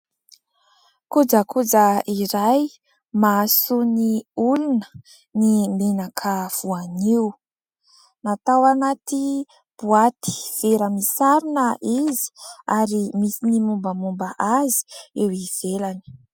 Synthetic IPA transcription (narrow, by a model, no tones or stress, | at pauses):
kud͡ʒəkud͡zəʔiɾaj | masuniulunə | nimenakʰəv̥uaniw | nat̪awanat̪i | b̥uat̪i̥v̥eɾəmisaɾinəʔizi̥aɾimisinimumbəmumbaʔazi̥ewiv̥elani̥